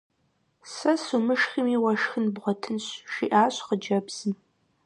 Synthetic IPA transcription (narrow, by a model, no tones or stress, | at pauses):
sɐsumɨʂximiwɐʂxɨnbʁʷɔtʰɨnɕʃiʔaːɕqəd͡ʒɐbz̥ɨm